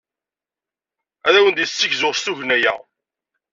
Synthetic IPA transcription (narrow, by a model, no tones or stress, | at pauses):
æðæwənd̪iθsːəçzʊʁst̪uʝnæjæ̰